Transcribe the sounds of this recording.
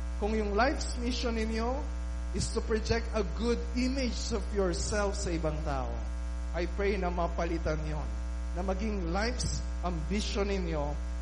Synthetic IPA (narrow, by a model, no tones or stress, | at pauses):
kʊŋjʊŋlajfsmiʃonːɪnjo | ʔɪst̪ʊpɹod͡ʒɛk̚t̪ɐɡʊd̪imɪd͡ʒɔvjɔɹsɛlfsɐʔɪbɐŋt̪a̰ːʔo̰ | ʔɐjpɹɛjnɐmɐpɐlɪt̪ɐnjonː | ɐmɐɡiŋlajfs | ʔɐ̃mbiʃonɪnjo